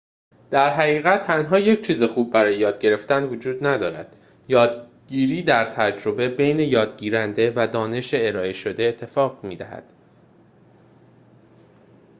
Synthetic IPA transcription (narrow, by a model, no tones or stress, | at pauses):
d̪̥æɾɦæɣiːɣæt̪̚ʰːænɦɒːje̞c̚ʰt͡ʃʰiːzexuːb̚bæɾɒːjejɒːd̪̚ɟe̞ɾe̞ft̪ænvod͡ʒuːd̪næd̪ɒːɾæ̰d̪̥ | jɒːd̪̚ɟiːɾiːd̪æɾt̪ʰæd͡ʒɾo̞bebe̞jne̞jɒːd̪ɟiːɾænd̪e̞væd̪ɒːne̞ʃeːɾɒːe̞ʃo̞d̪e̞ːt̪ʰːe̞fɒːɣmiːd̪æhæ̰d̪̥